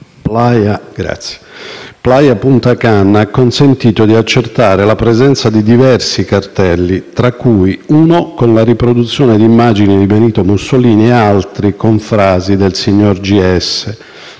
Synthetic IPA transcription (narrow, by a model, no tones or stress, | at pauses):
plajaɡɾa̰t̪sje̥plajapunt̪akanːakːonsent̪iːt̪od̪iat͡ʃːert̪aːɾelapɾezɛnt̪sad̪id̪ivɛrsikart̪ɛlːit̪ɾakːujuːnokonlaripɾod̪ut̪sːjɔːned̪imːaːd͡ʒinid̪ibeniːt̪omusːoliːniealt̪ɾikoɱfɾaːzid̪elsiɲːord͡ʒiɛsːe